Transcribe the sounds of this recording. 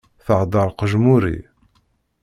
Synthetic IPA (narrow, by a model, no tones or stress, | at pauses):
θəʕd̪ˤɑɾˤqəʒmuɾḭ